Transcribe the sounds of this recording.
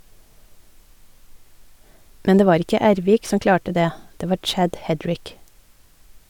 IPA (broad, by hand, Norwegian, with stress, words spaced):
ˈmɛn ˈdeː ˈʋɑːɾ ˈɪkə ˈæːɾʋiːk ˈsɔm ˈklɑːʈə ˈdeː ˈdeː ˈʋɑːɾ ˈt͡ʃæɟ ˈhɛdɹɪk